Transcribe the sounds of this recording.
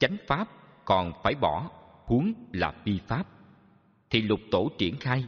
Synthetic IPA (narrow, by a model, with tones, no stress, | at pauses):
t͡ɕa˨˦jŋ̟faː˦˥p̚ | kɔ˨˩nfaː˧˩jɓɔ˧˩ | hu˨˦əŋlaː˨˩fi˧faː˦˥p̚ | t̪ʰi˨˩lʊ˨˩k͡p̚t̪o˧˩t͡ɕi˧˩ənxaː˧j